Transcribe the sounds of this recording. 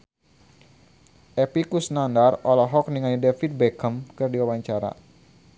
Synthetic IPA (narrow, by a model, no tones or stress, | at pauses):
ʔɛpikusnandarɔlɔɦɔk̚niŋaɲdɛfit̪̚bɛkəmkɨrdiwawaɲt͡ʃaɾa̰